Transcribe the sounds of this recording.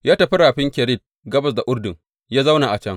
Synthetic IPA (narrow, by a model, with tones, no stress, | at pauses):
jaː˦tɐ˨ɸi˦ɾaː˨ɸɪ˦ŋkʲɛ˨ɾɪ˦˨t̚ | ɡɐ˦bɐ˨s̬da˨ʔʊ˦rdʊ˨ŋ | jaː˦za˦wna˨ʔa˨t͡ʃɐ˦ŋ